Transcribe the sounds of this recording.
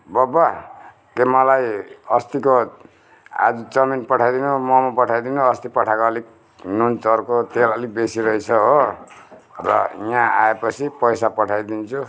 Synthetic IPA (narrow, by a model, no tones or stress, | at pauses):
bʌba | kemʌlajʌst̪iko | a̰d͡zut͡sʌminpʌʈʰajd̪inumʌmɔpʌʈʰajd̪inuʌst̪ipʌʈʰakoːlik̚ | nont͡sʌrkot̪elʌlik̚besiɾʌjt͡sʰʌɦo | rʌ̰ijãa̰epʌt͡sʰipʌjsapʌʈʰajd̪int͡sʰu